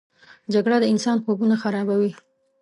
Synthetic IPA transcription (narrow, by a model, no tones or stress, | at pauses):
d͡ʒaɡɽad̪əɪnsɑnxobunaxaɾɑbawi